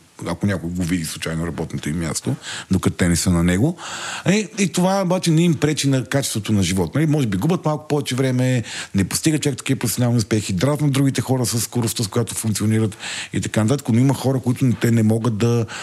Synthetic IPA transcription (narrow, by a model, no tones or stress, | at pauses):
ɐkonʲakʊjɡovid̪islˠut͡ʃajnoɾɐbɔt̪not̪oimmʲja̰st̪od̪okɐt̪t̪ɛnɛsənɐnɛɡoɐiit̪ovaɛobat͡ʃɛnɛimpɾɛt͡ʃinɐkat͡ʃɛst̪vot̪onɐʒivɔt̪nɐlimɔʒɛbiɡubət̪malˠkʊ̥pɔvɛt͡ʃɛvɾɛmɛnɛpo̥st̪iɡətt͡ʃovɛkt̪ɐ̥kʲivɐpɾofsʲonalˠniuʊspɛxid̪ɾat̪nɐd̪ɾuɡit̪ɛxɔɾəsəsːkoɾʊst̪əskojat̪o̥fũŋkt̪ioniɾət̪ḭt̪ɐkanɐt̪at̪ə̥kənoimɐxɔɾəkoit̪ʊt̪ɛnɛmɔɡət̪̚d̪ɐ